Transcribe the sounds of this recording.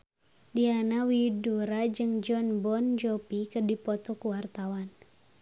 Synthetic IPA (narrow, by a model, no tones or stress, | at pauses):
dianawiduɾad͡ʒɨŋd͡ʒɔnbɔnd͡ʒɔpikɨrdipɔt̪ɔkuwart̪awan